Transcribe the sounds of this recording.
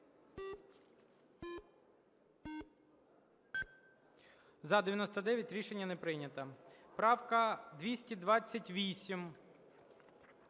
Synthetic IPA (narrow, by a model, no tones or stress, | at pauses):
zɐd̪ejɐnɔst̪ɐd̪ɛʋʲjɐtʲɾʲiʃenʲːɐnɛpɾɪnʲɐt̪ɐpɾɑwkɐd̪ʋʲisʲtʲid̪ʋɑt͡sʲːɐtʲʋʲisʲim